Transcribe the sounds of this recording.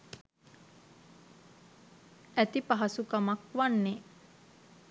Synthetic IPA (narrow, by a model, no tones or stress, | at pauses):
æt̪ipaɦasukamakʋanːe